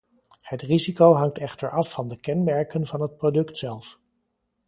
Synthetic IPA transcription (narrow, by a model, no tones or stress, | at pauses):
hətrizikowɦɑŋtɛχtəɹɑfːɑndəkɛnmɛɹkənvɑnɦət̚prodɵktsɛlˠf